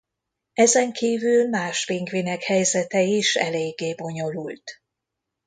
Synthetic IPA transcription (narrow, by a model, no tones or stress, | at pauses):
ɛzɛŋkʰiːvylmaːʃbiŋɡvinɛkhɛjzɛt̪ɛiʃɛ̰leːɡːeːbo̞ɲo̞lult̪